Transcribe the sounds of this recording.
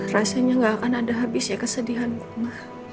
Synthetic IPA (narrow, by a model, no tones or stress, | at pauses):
rasaɲaŋɡaːkanadaɦabɪsɲakəsədiɦankumah